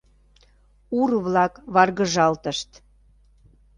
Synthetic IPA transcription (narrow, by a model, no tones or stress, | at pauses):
uɾβlɑkβɑrɣəʒɑlt̪əʃt̪